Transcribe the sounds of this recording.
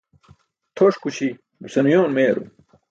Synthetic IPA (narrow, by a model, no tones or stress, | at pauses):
t̪ʰoʂkuɕi | busɐnujoːnmeːɾṵ